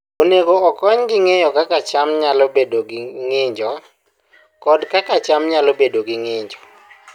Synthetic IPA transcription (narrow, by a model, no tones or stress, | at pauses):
oneɡoɔkɔɲɡɪŋejɔkakat͡ʃamɲalobedoɡɪŋɪɲd͡ʒɔ | kɔdkakat͡ʃamɲalobedoɡɪŋɪɲd͡ʒɔ̥